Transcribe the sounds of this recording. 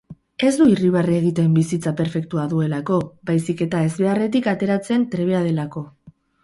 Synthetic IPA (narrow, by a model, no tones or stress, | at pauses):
e̞zd̪uiriβ̞areɣ̞it̪e̞mbisit͡sape̞ɾfe̞k̚t̪uaðue̞lako̞bajsike̞t̪ae̞zβe̞are̞t̪̬ikat̪e̞ɾat͡se̞nt̪ɾe̞β̞e̞að̞e̞lako̞